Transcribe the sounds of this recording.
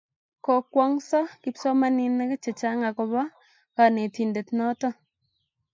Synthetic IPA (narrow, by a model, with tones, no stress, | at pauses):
kɔ˨kwɔ˦ŋsɔ˦ki˦psɔ˦ma˦ni˨na˦kɛ˦t͡ʃe˨t͡ʃa˦ŋa˨kɔ˨βa˦ | ka˨ne˨ti˨nde˨tnɔ˦tɔ˦